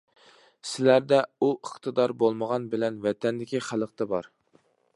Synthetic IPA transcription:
sɪlæɾd̪ɛuʔəχt̪ʰɨd̪ɑɾbolˠməʁɑnbɪlɛnvɛt̪ʰɛnd̪ɪkʲiχælˠəqt̪ʰɛbɑɾ

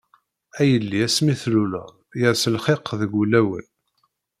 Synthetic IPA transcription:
æjəlːiæsmiθlulə̰ʁ | jəɾsəlχeqːðəɡulæwə̰n

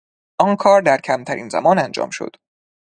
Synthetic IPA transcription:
ʔɒːnkʰɒːɾd̪æɾcʰæmt̪ʰæɾʔḭːnzæ̰mɒːnænd͡ʒɒ̰ːmʃo̰d̪̥

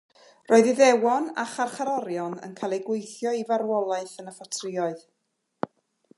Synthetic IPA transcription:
roːɨðiðɛwɔna̰χarχaɾɔɾjɔnə̰nkʰaːjlˠejɡwejθjɔivarwɔlˠaɨθənəfɔtʰrɪɔɨð

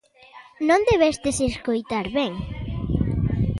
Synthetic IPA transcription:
nõnd̪eβɛst̪eseskojt̪aɾβɛŋ

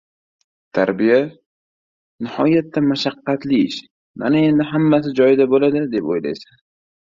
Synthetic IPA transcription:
t̪ʰaɾbija | nɪhɒjat̪ʰːamaʃaqːɑt̪lɪɪʃ | manae̞nd̪ɪɦamːas̬ɪd͡ʒɒjɪd̪abolad̪ɪd̪e̞pojla̰jsan

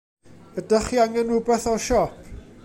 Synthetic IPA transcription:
ədaχiaŋɛnʊbɛθɔʃɔpʰ

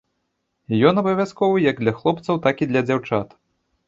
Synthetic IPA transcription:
jɔnɐbɐvʲaskɔvɨjɐɡd̪lʲɐxlˠɔpt̪sɐwt̪akid̪lʲɐd͡zʲawt͡ʂat̪

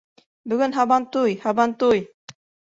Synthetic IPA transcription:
bɵ̆ɡɵnɦɑβɑnt̪ujhɑbɑnt̪uj

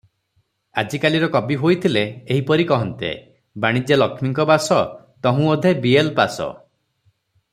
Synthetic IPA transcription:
a̰d͡ʒikaliɾɔkɔbiɦojt̪ʰileːɦipɔɾikɔɦɔnt̪ḛ | baɽ̃id͡ʒelɔkʰmiŋkɔbasɔ | t̪ɔɦũod̪ʱebielpasɔ̰

